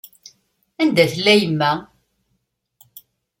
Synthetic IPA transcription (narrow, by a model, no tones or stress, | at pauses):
ænd̪æθlːæjəmːæ